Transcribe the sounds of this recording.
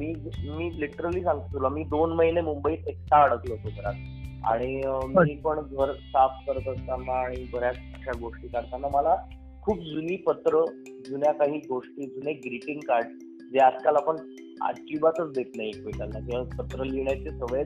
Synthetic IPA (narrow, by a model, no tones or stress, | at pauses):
miːmiːliʈəɾəliːsãŋɡit̪ulɔmiːd̪onməɦinemumbəiːt̪ek̚t̪aːɽəklopot̪ɾat̪̚ | a̰ɽ̃imiːpəɳɡʱəɾsafkəɾt̪əst̪anːaːɽ̃ibʱəɾjat͡spəkɕʰaɡoʂʈiːkaɽt̪anːaməla | kʰuːp̚d͡zuniːpət̪ɾə | d͡zunjakaɦiːɡoʂʈiːd͡zuneɡɾiʈiŋɡkaɾɖ | d͡zead͡z̪kalapəɳ | a̰ɾkibat̪ət͡sd̪et̪naɦikʋet̪anːak̪ĩʋapət̪ɾəliɳjat͡ɕesəʋəe